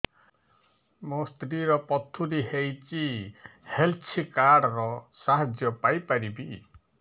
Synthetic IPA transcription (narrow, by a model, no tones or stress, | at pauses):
most̪ɾiɾɔpɔt̪ʰuɾiɦejt͡ʃihelt͡ʃʰikaɾɽɔɾɔsaɦad͡ʒjɔpajpaɾibi